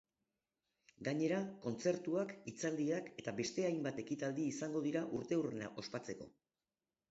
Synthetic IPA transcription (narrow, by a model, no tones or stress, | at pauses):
ɡaɲe̞ɾako̞nt͡se̞ɾt̪uakit͡sald̪iake̞t̪abe̞st̪e̞ajmbat̪e̞kit̪ald̪iːsaŋɡo̞ð̞iɾaʔuɾt̪e̞urena̰ʔo̞spat͡se̞ko̞̰